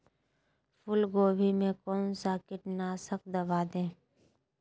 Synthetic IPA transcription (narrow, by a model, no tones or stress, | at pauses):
pʰʊlɡoːbʱimẽkɔːnsaːkɪʈnaːsək̚d̪əbaːd̪ẽː